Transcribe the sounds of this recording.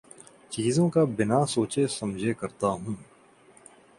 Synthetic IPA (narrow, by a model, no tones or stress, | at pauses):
t͡ʃiːzõkabɪnaːsoːt͡ʃesɐmd͡ʒʱekɐɾt̪aɦũː